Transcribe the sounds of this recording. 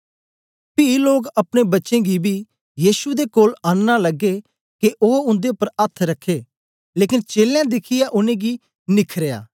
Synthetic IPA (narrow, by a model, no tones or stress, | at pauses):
piloːɡɐpɽ̃ebɐtːʃẽːɡibʱi | jiːʃud̪ekoːlaːnːalɐɡːe | keʔoːʊ̃nd̪eʊpəɾət̪ʰːɾɐkʰːeː | leːkɪnt͡ʃeːljãːd̪ɪkʰɪjaʔʊnẽːɡi | nɪkʰɾeja̰ː